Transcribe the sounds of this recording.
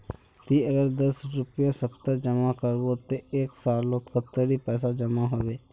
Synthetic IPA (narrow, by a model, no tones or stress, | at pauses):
t̪iəɡəɾd̪əsɾʊpijasəpʰt̪əd͡ʒəmakəɾbot̪eeːksaːlːot̪kət̪ːəɾipɛːs̬ad͡ʒəmaɦoʋeː